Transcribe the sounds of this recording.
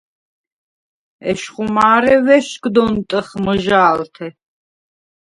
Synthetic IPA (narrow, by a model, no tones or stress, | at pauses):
ɛʃχumaːɾɛvɛʃkd̪ɔnt̪ʼəχməʒaːlt̪ʰɛ